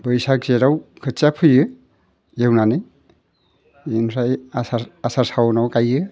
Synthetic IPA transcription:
bɯjsak̚zeɾawkʰɯt͡ʃapʰɯjɯ | jewnanɯj | inɾajasaasasawnawkajɯ

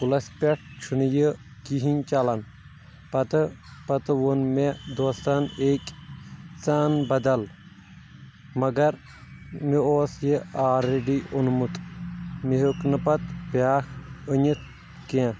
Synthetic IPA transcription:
pulɐspʲeʈ̚ʰt͡ʃʰunjəkiɦinʲt͡ʃɐlɐn | pɐt̪ɨpɐt̪ɨʋonmed̪oːst̪aneːkʲ | t͡saːnbɐd̪ɐl | mɐɡɐɾ | mioːsjeaːɾeɖiʔonmut̪miɦoknɐpɐt̪pʲaːkəɲʲit̪ʰ | kẽ

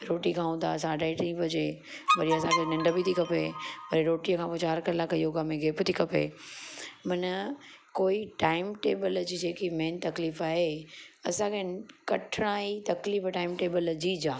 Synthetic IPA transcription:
ɾoːʈikʰãːɦũːd̪asãːɖaːɪʈɾĩːpɐd͡ʑeː | ʋɐɾiɐsãkʰenɐ̃ɳɖəbit̪ʰikʰɐpeːʋɐɾiɾoːʈijəkʰãːpot͡ɕaːɾkɐɾlakɐioɡaːmẽɡʱeːpt̪ʰikʰɐpḛː | mɐnəkoːiʈaːɪmʈeːbəld͡ʑiːd͡ʑeːkimeːnt̪ɐkliːfaːɦeɐsãkʰekɐʈʰɪɽ̃aːit̪ɐkliːfʈaːɪmʈeːbəld͡ʑiːd͡ʑaː

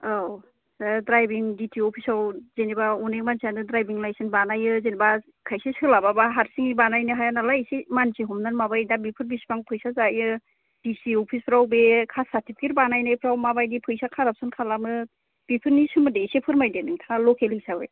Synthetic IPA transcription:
aw | sadɾajbiŋditʰiɔpʰisawzenibaɔnek̚mansiandɯdɾajbiŋlajsɯnbanajɯzeniba | kʰajsisɯlababaɦaɾsiŋibanajnɯɦajanalajsimansiɦɔmnanmabajdabipʰɯɾbispaŋpʰɯjsazajɯ | d̥isiɔpʰispʰɾawbekʰasatʰipikeɾbanajnajpʰɾawmabajdipʰɯjsakʰaɾap̚sɯnkʰalamɯ | b̥ipʰɯɾnisɯmɯdesepʰɯɾmajdenɯŋtʰaŋalɔkʰelisabḛ

